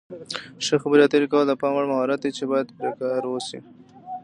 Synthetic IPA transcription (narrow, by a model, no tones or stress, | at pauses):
ʃəxabəɾijɑt̪əɾikawəld̪əpɑmwaɽmaɦɑɾat̪it͡ʃebɑjad̪pɾekɑɾwosḭ